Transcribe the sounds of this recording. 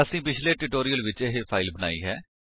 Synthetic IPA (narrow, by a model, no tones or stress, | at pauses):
əsĩːpɪt͡ʃʰleːʈɪʈoːɾijəlʋɪt͡ʃeɦepʰaːɪlbəna̰ːḭːɦɛː